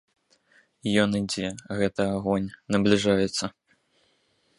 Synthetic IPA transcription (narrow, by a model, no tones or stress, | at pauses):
jɔnɨd͡zʲɛɣɛt̪ɐaɣɔnʲnɐblʲiʐajɛt̪sːɐ